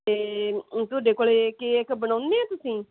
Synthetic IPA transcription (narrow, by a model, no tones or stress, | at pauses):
eːt̪ʊaːɖeːkoːleːkeːɪkbəɳaːʊ̃nd̪eːɛ̃ːt̪ʊsĩː